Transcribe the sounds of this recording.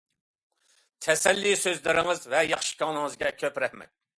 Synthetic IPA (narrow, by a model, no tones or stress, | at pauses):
t̪ʰɛsɛlːisøzlɪɾɪŋɨzvɛjɑχʃi̥kʲʰɑŋnɨŋɨzɡʲɛkʲʰøpɾɛhmɛ̰